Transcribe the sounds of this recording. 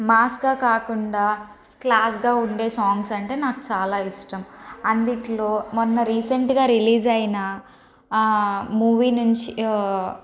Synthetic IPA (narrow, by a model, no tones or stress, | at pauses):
maːskɡaːkaːkuɳɖaː | klaːs̬ɡaːuɳɖe̞ːsaːŋɡsɐɳʈe̞ːnaːku̥t͡ʃaːlaːiʂʈɐmɐnd̪iʈlo̞ːmonːɐɾiːseɳʈɡaːɾiliːd͡ʒɐjnɐ | muːʋiːnuɲt͡ʃi